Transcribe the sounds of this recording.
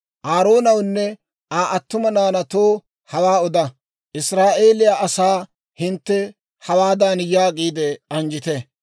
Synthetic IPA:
ʔaːɾo̞ːnɐwnːɛ | aːʔɐt̪ːʊmɐnaːnɐt̪oː | hɐwaːɔd̪ɐ | ʔɪsɾaːʔe̞ːlɪjaːʔɐsaː | hɪnt̪ːɛ | hɐwaːd̪aːnjaːkʼiːd̪ɛɐnd͡ʒɪt̪ɛ

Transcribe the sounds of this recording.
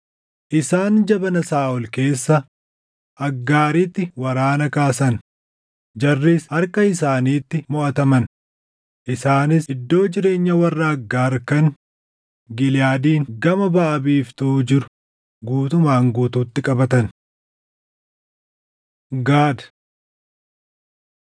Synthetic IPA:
ʔɪsaːnd͡ʒɐbɐnɐsaːʔʊlke̞ːsːɐ | ʔɐɡːaːɾiːt̪ːɪwɐɾaːnɐkaːsɐn | d͡ʒɐrːiːsɐɾkɐɪsaːniːt̪ːɪmɔʔɐt̪ɐmɐn | ʔɪsaːnɪsɪd̪ːo̞ːd͡ʒɪɾe̞ːɲːɐwɐrːɐːɡːaːɾkɐŋ | ɡɪlɪjaːd̪iːŋɡɐmɐbɐʔɐbiːft̪uːd͡ʒɪɾʊ̥ | ɡuːt̪ʊmaːŋɡuːt̪uːt̪ːɪkʼɐbɐt̪ɐn | ɡaːd̪

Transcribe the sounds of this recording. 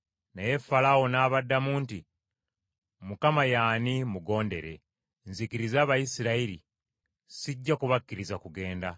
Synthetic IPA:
naje̞falawo̞naːβadːamuːnti | mukamajaːnimuɡo̞ːnde̞ɾe̞̰ | nzikiɾizaːβajisiɾaiɾḭ | siɟːakuβakːiɾizakuɡe̞ːnda

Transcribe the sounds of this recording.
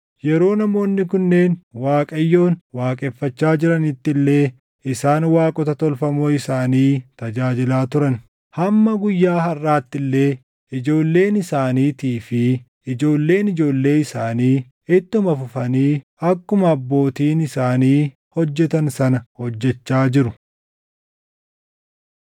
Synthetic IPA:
jɛɾo̞ːnɐmo̞ːnːɪkʊnːe̞ːnwaːkʼɐjːo̞ːnwaːkʼɛfːɐt͡ʃːaːd͡ʒɪɾɐnɪt̪ːɪlːe̞ː | ɪsaːnwaːkʼɔt̪ɐt̪ɔlfɐmoːɪsaːniːt̪ɐd͡ʒaːd͡ʒɪlaːt̪ʊɾɐn | hɐmːɐɡʊjːaːɦɐrːaːt̪ːɪlːe̞ː | ɪd͡ʒo̞ːlːe̞ːnɪsaːniːt̪iːfɪ | ɪd͡ʒo̞ːlːe̞ːnɪd͡ʒo̞ːlːe̞ːɪsaːniː | ɪt̪ːɪʊmɐfʊfɐniː | ɐkːʊmɐɐbːo̞ːt̪iːnɪsaːniː | hɔd͡ʒːɛt̪ɐnsɐnɐhɔd͡ʒːɛt͡ʃːaːd͡ʒɪɾʊ

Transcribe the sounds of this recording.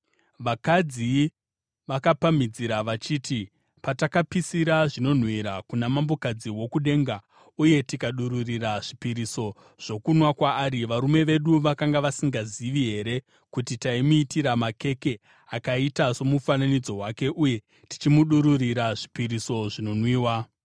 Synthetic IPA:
ʋakad͡zi | ʋakapamid͡ziɾaʋat͡ʃiːti | patakapisiɾaʐino̞n̤wiɾakunamambo̞kad͡ziwo̞kuɗe̞ːŋɡa | uje̞tikaɗuɾuriraʐipiɾiso̞ | ʐ̥o̞kunwakwaːɾiʋaɾume̞ʋe̞ɗuʋakaŋɡaʋasiŋɡaziʋiɦe̞ɾe̞ | kutitaimuitiɾamake̞ke̞ | akaitaso̞mufananid͡zo̞ɦwake̞ʔuje̞ | ti̥t͡ʃimuɗuɾuriɾaʐipiɾiso̞ʐino̞nwiːwa

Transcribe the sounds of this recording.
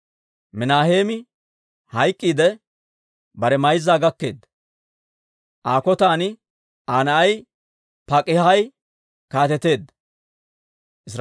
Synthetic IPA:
mɪnaːheːmɪ | hɐjkʼːiːd̪ɛ | bɐɾɛmɐjzːaːɡɐkːe̞ːd̪ːɐ | ʔaːkɔt̪aːnɪ | aːnɐʔɐj | pɐkʼɪhɐj | kaːt̪ɛt̪e̞ːd̪ːɐ | ʔɪsɾ

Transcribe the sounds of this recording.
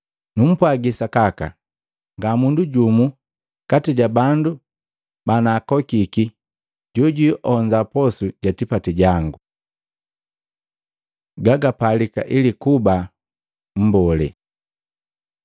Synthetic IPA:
num̩pwaɡisakaka̰ | ŋɡamunduɟumu | katiɟabandu | banakɔkiki | ɟɔɟiʔɔɲd͡ʒapɔsuɟatipatiɟaŋɡu | ɡaɡapalika̰ʔilikuba | m̩bɔlɛ̰

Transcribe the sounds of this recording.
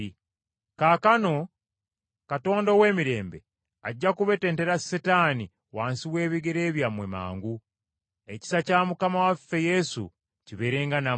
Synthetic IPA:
kaːkano̞ | kato̞ːndowe̞ːmiɾe̞ːmbe̞̰ | aɟːakuβe̞teːnte̞ɾasetaːni | waːnsiwe̞ːβiɡeɾeːβjamwe̞ma̰ːŋɡu | e̞ci̥sacaːmukamawafːe̞je̞sṵ | ciβe̞ɾe̞ːŋɡana

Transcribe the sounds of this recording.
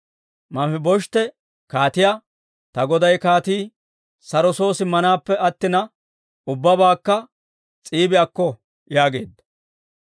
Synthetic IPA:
mɐfɪbɔʃt̪ɛ | kaːt̪ɪjaː | t̪ɐɡɔd̪ɐjkaːt̪iː | sɐɾɔso̞ːsɪmɐnaːpːɛɐt̪ːɪnɐ | ʊbːɐbaːkːɐ | t͡sʼiːbɪjakːɔ | jaːɡe̞ːd̪ːɐ̥

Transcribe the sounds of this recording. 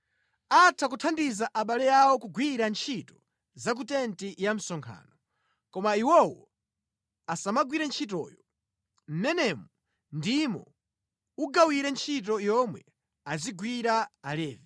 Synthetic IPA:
atʰakutʰandizaʔaɓalɛjawɔkuɡwiɾant͡ʃʰitɔ | zak̬utɛntijam̩sɔŋkʰa̰ːnɔ | kɔmaiwɔwɔ | asamaɡwiɾɛnt͡ʃʰit̬ɔ̰ːjɔ | m̩nɛnɛmɔ | ndimɔ̰ | uɡawiɾɛnt͡ʃʰit̬ɔjɔmwɛ | aziɡwiɾaːlɛːvɛ

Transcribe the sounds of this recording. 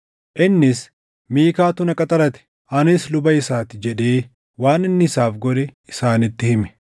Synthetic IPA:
ʔɪnːɪs | miːkaːt̪ʊnɐkʼɐt̪ʼɐɾɐt̪ɛ̥ | ʔɐnɪslʊbɐɪsaːt̪ɪd͡ʒɛᶑe̞ː | waːnɪnːɪɪsaːfɡɔᶑɛɪsaːnɪt̪ːɪhɪmɛ̥

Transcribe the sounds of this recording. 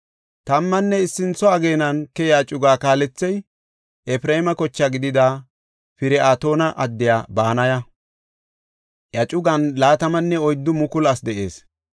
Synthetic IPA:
t̪ɐmːɐnːɛɪsːɪnt͡sːɔɐɡe̞ːnɐnkɛjaːt͡ʃʼʊɡaːkaːlɛt͡sːɛj | ɛfɪɾɛmɐkɔt͡ʃːɐɡɪd̪ɪd̪a | pɪɾɛaːt̪o̞ːnɐʔɐd̪ːɪjaːbaːnɐjɐ | jɐt͡ʃʼʊɡɐnlaːt̪ɐmɐnːɛɔjd̪ːʊmʊkʊlɐsd̪ɛʔe̞̰ːs

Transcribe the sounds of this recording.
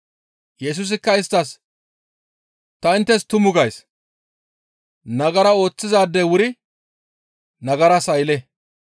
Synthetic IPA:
jɛs̬us̬ɪkːɐɪst̪ːɐs | t̪ɐɪnt̪ːɛst̪ʊmʊɡɐjs | nɐɡɐɾɐo̞ːt͡sːɪzaːd̪ːɛwʊɾɪ | nɐɡɐɾɐsɐjlɛ

